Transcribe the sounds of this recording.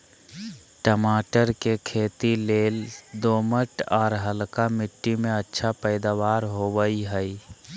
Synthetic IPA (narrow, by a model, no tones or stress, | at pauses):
ʈəmaːʈəɾkekʰeːt̪ileːld̪oːməʈɔːɾɦəlkamɪʈːimẽətːʃʰapəɪd̪aʋaːɾɦoʋəiɦəi